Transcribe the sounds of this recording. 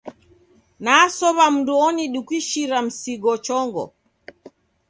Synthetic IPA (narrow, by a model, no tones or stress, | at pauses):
naːsɔβam̩nduɔniɗukwiʃiɾam̩siɡɔt͡ʃɔŋɡɔ̰